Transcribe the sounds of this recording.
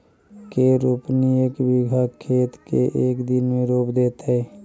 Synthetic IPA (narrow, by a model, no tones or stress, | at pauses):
keɾoːpnieːkbɪɡʱakʰːeːt̪keʔeːkd̪ɪnmẽɾoːpd̪eːt̪ɦɛː